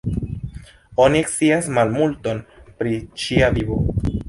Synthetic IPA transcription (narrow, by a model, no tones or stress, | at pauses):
o̞nieksiasmalmulto̞npɾit͡ʃiavibo̞